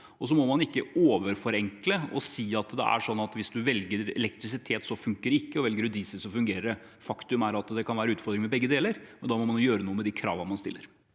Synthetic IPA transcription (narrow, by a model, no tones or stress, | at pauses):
ɔs̬ɔmɔmɑnɪkːəoːʋəɾfɔɾɛŋkləɔ̰siːɑt̪d̪ɛ̰ʔæ̰ʂɔnːɑt̪ʋɪsd̪ʉʋɛlɡəɾɛ̰lɛk̚t̪ɾɪs̬ɪt̪ʰeːt̪sɔfʉŋkəɖɛɪkːəɔʋɛlɡəɾʉd̪iːsəsɔfʉŋɡeːɾəɖə | fɑkt̪ʉmæɾɑt̪d̪ɛkʰɑnʋæːɾəʉːt̪fɔɾd̪ɾɪŋmɛbɛɡːəd̪eːləɾmmɛnd̪ɑːmɔmɑnjʊjøːɾənuːəmɛd̪ɪkʰɾɑ̰ːʋəmɑnst̪ɪlːəɾ